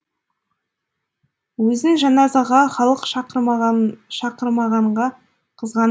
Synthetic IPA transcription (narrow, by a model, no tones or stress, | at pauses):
wɵzɪŋʒɑnɑzɑʁɑχɑlˠəqʃɑɾ | ʃɑqəɾmɑʁɑɴʁɑ | qʰəzʁɑn